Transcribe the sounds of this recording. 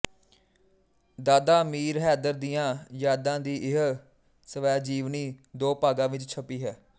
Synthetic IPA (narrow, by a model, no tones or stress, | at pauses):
d̪aːd̪aːmiːɾɦɛːd̪əɾd̪ijãːjaːd̪ãːd̪iːʔɪɦ | səʋɛːd͡ʒiːʋniːd̪oːpaːɡãːʋɪt͡ʃt͡ʃʰəpiːɦɛː